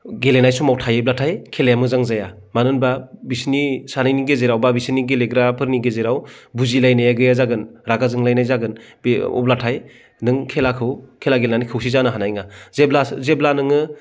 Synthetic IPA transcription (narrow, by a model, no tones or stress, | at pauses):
ɡelenajsumawtʰajeb̚latʰajkʰelajamɯzaŋzaja | manɯnbabisnisanɯjniɡezeɾawbabisniɡeleɡɾapʰɯɾniɡezeɾawbuzilajnajaɡɯjazaɡɯnɾaɡazɯŋlajnajzaɡɯnbɔ̰blatʰaj | nɯŋkʰelakʰɯwkʰelaɡelenanikʰɯwsizanɯɦanajŋazeblazeblanɯŋɯ